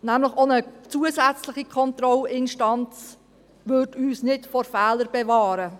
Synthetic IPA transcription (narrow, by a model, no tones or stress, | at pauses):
næmləχonət͡suəsæt͡slɪχikʰɔnt̪ɾɔlɪnʃtɑnt͡s | ʋɵɾdyːsnɪtfɔɾfɛːləɾb̥ɛvɑːɾə